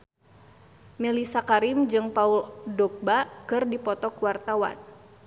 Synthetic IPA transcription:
milisakaɾimd͡ʒɨŋpauldɔk̚bakɨrdipɔt̪ɔkuwart̪awa̰n

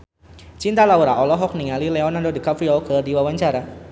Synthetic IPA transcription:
t͡ʃint̪alauɾaʔɔlɔɦɔk̚niŋalilɛɔnandodəkapfɾiɔkədiwawaɲt͡ʃaɾa

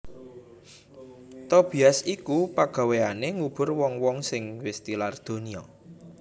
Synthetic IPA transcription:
t̪ɔb̥i̤asikupaɡ̥a̤weaneŋub̥ʊ̤rwɔŋwɔŋsɪŋwest̪ilard̪̥o̤niɔ

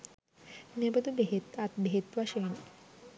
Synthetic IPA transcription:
nebɐd̪ubeɦet̪at̪̚beɦet̪ʋaʃen

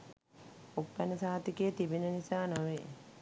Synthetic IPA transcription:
upːænəsaːat̪ikeːt̪ibinənisaːnaʋeː

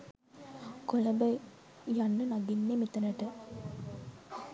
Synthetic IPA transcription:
koləbə | janːənaɡinːemit̪ənəʈə

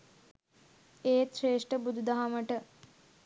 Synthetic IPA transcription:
eːreːʂʈəbud̪ʱud̪aɦaməʈə

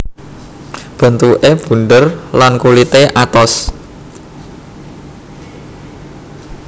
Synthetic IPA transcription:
b̥ə̤nt̪uʔeb̥ṳnɖərlankulit̪eʔat̪ɔs

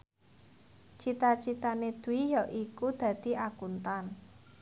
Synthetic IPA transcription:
t͡ʃit̪at͡ʃit̪aned̪̥uwijɔʔikud̪̥ä̤d̪̥i̤ʔakunt̪an

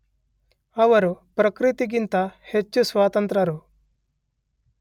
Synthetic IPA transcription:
ɐʋɐɾupɾɐkɾit̪iɡint̪ɐhet͡ʃːusʋaːt̪ɐnt̪ɾɐɾu

